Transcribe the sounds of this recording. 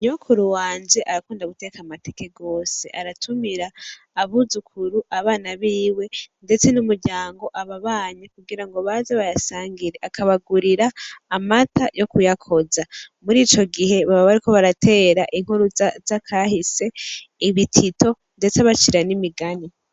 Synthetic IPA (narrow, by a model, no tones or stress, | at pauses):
ɲokʰuɾuwaːnd͡ʒe̞ʔaɾakuːndaɡute̞kamate̞ke̞ɡo̞ːse̞ʔaɾatʰumiɾaː | βuzukʰuɾuʔaβaːnaβiːwe̞nde̞t͡se̞numuɾɟaːŋɡo̞ʔaβaβaːɲekuɡiɾaŋɡo̞βazeβajasaːŋɡiɾe̞ʔakʰaβaɡuɾiɾaːmatʰajʔo̞kujakʰo̞zamuɾiːt͡ʃo̞ɡiɦe̞βaβaβaɾiko̞βaɾatʰe̞ːɾaʔiŋ̥huɾuzazakʰahise̞iβitʰito̞ | nde̞t͡saβat͡ʃiɾanimiɡani